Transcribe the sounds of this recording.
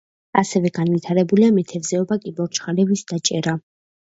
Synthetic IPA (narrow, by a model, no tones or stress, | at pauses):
asɛvɛɡanvit̪ʰaɾɛbuliamɛt̪ʰɛvzɛɔbakʼibɔɾt͡ʃχaɾɛvisd̪at͡ʃʼɛɾa